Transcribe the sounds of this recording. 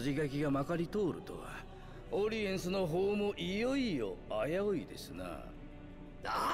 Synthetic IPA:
ʑiɡak̬ʲiɡamakaɾʲit̪o̞ːɾɯ̟̰t̪o̰a | oɾʲiẽ̞ɰ̃sɨno̞ɦoːmoʔijoio̞ajaoid̪e̞̰sɨna̰ | a

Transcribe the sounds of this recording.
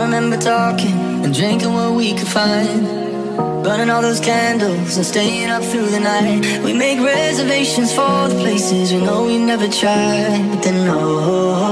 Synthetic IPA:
ɹɨmɛ̃mbə˞tʰɔkɪ̃ŋ | ɨ̃ndɹɪ̃ŋkɪ̃ŋwʌt̚wikʰɨd̥fãɪ̃nn | b̥ɜ̃˞nɪ̃ŋɔlˠðoʊz̥kʰæ̃ndl̩ˠzɨ̃nsteɪɪ̃ŋʌp̚θɹʉðɨnaɪt̚ | wimeɪkɹɛzə˞veɪʃɨ̃nz̥fə˞ðəpʰl̥eɪsɪzwinoʊwinɛvə˞tʰɹ̥aɪ | d̪̚ɨ̃nːoʊ

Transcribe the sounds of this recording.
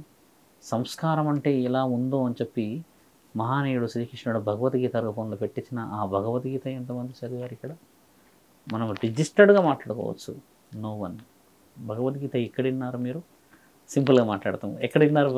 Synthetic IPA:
sɐmskaːɾɐmɐɳʈe̞ːɛlaːund̪o̞ːɐnit͡ʃe̞pːi | mɐɦaːneːjuɽusɾiːkɾiʂnɐɽɐbʱɐɡɐʋɐt̪ɡiːt̪ɐːɾɡɐpoːnloːpeʈːit͡ʃːinɐʔaːbʱɐɡɐʋɐt̪ɡiːt̪ɐɛnt̪ɐmɐnd̪it͡ʃɐd̪iʋaːɾikːɐɽɐ | mɐnɐmɖid͡ʒisʈɐɖɡaːmaːʈlaːɽukɔ̰ːʋɐ̰t͡ʃːṵ | noːʋɐn | bʱɐɡɐʋɐt̪ɡiːt̪ɐikːɐɽɐinːaːɾumiːɾu | simpɐlɡaːmaːʈla̰ːɽɐt̪a̰mɛkːɐɽɐinːaːɾu

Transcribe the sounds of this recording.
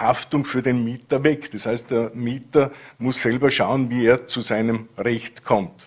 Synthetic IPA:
haftʊŋfyːɐdenmiːtɐvɛktd̥ɐshaɪst̚d̥eːɐmiːtɐmʊsːɛlbɐʃaʊənviːeːɐt͡suzaɪnəmʁɛçtkʰɔmt

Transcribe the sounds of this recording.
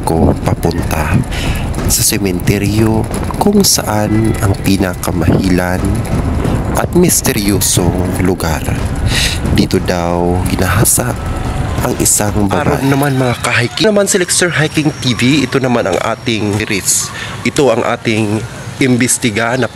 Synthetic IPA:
kopɐpʊnt̪a | sɐsɛmɛnt̪ɛɾjo̞ | kʊŋsɐ̰ʔanɐŋpiːnɐkɐmɐhiːlan | ʔɐt̪̚mɪst̪ɛɾjoːsoŋlʊɡa̰ɾ | d̪iːt̪od̪awɡɪnaɦaːsaʔʔɐŋʔɪ̰saŋbɐɾa̰nɐmanmɐŋakɐɦajkɪnɐmansɪlɛkst̪ɛɹɦajkɪŋt̪iːviɪt̪onɐmanɐ̰ŋʔa̰ːt̪ɪŋɾɪsʔɪt̪o̞ɐŋʔa̰ːt̪ɪŋ | ʔɪmbɪst̪ɪɡanɐ

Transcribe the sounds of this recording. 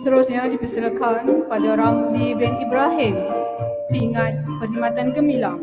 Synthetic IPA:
st̪əɾusɲadipəsəɾəkanpadaoɾaŋdibɛnkibɾaɦɪm | piŋat̪̚pərlimat̪ankəmilaŋ

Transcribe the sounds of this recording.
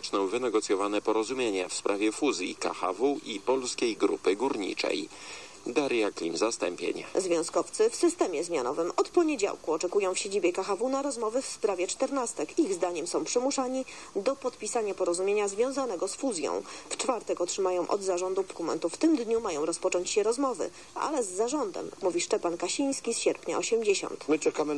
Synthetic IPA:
t͡ʂnɔ̃wvɘnɛɡɔt̪sʲjɔvanɛpɔɾɔzumʲjeɲɛfspɾʔavʲjɛfuzʲjḭka̰xa̰vuʔipɔlskʲejɡɾṵpɘɡuɾɲḭt͡ʂɛ̰j | d̪aɾjaklʲḭmzast̪ɛ̰mpʲjḛɲa̰zvʲjɔ̃w̃skɔft̪sɘfsɘst̪ɛmʲjɛzmʲjanɔvɘmɔt̪pɔɲed͡ʑa̰wkuɔt͡ʂɛkujɔ̃w̃fɕed͡ʑibʲjɛkaxavunaɾɔzmɔvɘfspɾavʲjɛt͡ʂt̪ɛɾnast̪ɛkiɣzd̪aɲɛmsɔ̃w̃pʂɘmuʂaɲi | d̪ɔpɔt̪pʲisaɲapɔɾɔzumʲjeɲazvʲjɔ̃w̃zanɛɡɔsfuzʲjɔ̰̃w̃ft͡ʂfaɾt̪ɛkɔtʂɘmajɔ̃w̃ʔɔ̰d̪zaʐɔnd̪upɾkumɛ̰nt̪uft̪ɘmd̪ɲumajɔ̃w̃ɾɔspɔt͡ʂɔɲt͡ɕɕɛɾɔzmɔvɘ̰ | ʔa̰lɛzːaʐɔnd̪ɛ̰mːuvʲiʂt͡ʂɛpankaɕij̃skʲisɕɛɾpɲa̰ɔɕɛmd͡ʑeɕɔ̰nt̪mɘt͡ʂɛkamɘ

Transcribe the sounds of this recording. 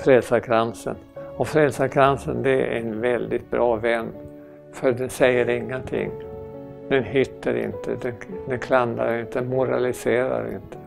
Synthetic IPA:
fɾɛlsaɾkʰɾansə̰nɔfɾɛlsaɾkʰɾansənd̪ɛæɾɛnvɛld̪ɪt̪̚bɾɑːvɛnː | fœɖ̪ɛnsɛjːəɾɪŋːənt̪ʰɪ̰ŋː | d̪ɛnhʏt̪ːəɾɪ̰nt̪ʰə̰d̪ɛnd̪ɛnkʰland̪a̰ɾɪnt̪əmʊɾalɪseːɾa̰ɾɪ̰nt̪ʰə̥

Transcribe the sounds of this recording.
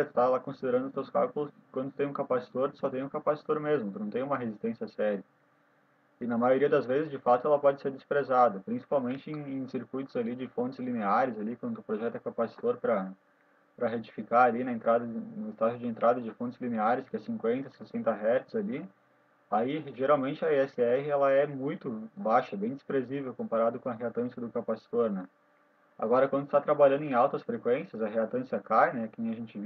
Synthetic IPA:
t̪ʊ̥t̪alakõsid̪eɾɐ̃nʊt̪ewskawkʊlʊswɐ̃nd̪ʊt̪ẽũkapasi̥t̪oɾt̪ʊ̥sɔt̪ẽj̃ũkapasi̥t̪oɾmezmʊt̪ʊunɐ̃w̃t̪ẽũmɐɦezist̪ẽsiɐsɛɾiɐ | ɪnɐmajoɾiɐd̪ɐzvezɪzd͡ʒɪfat̪ʊɛlɐpɔd͡ʒɪseɾd̪ɪspɾezad̪ɐpɾĩsi̥pawmẽnt͡ʃɪẽj̃ẽj̃siɾkujt̪ʊzalid͡ʒɪfõnt͡ʃ̪ɪzlineaɾɪzalikwɐ̃nd̪ʊʊpɾoʒɛt̪ʊɛkapasi̥t̪oɾpɾɐ | pɾɐɦet͡ʃi̥fikaɾalinɐẽnt̪ɾad̪ɐɪnʊɪst̪aʒʊd͡ʒɪẽnt̪ɾad̪ɐd͡ʒɪfõnt͡ʃ̪ɪzlineaɾɪskɪɛsĩŋkwẽnt̪ɐsesẽnt̪ɐɦɛt̪ɪzali | aiʒeɾawmẽnt͡ʃɪɐɛsɪɛhɪɛlɐɛmũj̃t̪ʊbaʃɐbẽj̃d͡ʒ̪ɪspɾezivewkõmpaɾad̪ʊkõɐɦeat̪ɐ̃sjɐd̪ʊkapasi̥t̪oɾnɛ | a̰ɡɔɾɐkwɐ̃nd̪ʊst̪at̪ɾabaʎɐ̃nd̪ʊẽj̃awt̪ʊɐsfɾekwẽsjɐzɐɦeat̪ɐ̃siɐkajnɛkẽj̃ɐʒẽnt͡ʃɪv

